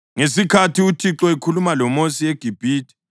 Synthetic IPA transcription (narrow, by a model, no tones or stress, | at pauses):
ŋesikʰatiutʰiǁɔikʰulumalɔmosieɡ̥ʱib̥ʱiːtʰʼi̥